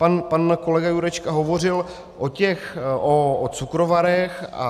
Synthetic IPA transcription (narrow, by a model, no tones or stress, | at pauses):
panpanko̞lɛɡajuɾɛt͡ʃkaɦo̞vo̞r̝ɪl | ʔocɛxʔoot͡sukɾovaɾɛxa̰